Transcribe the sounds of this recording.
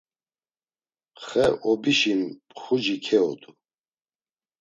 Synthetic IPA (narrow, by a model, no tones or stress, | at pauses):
χɛʔɔbiʃimpχud͡ʒikʰɛɔ̰d̪u